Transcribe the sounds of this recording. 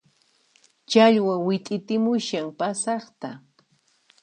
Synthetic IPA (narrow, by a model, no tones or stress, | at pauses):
t͡ʃaʎwawɪt̪ʼɪt̪ɪmʊʃaŋpasɑχt̪a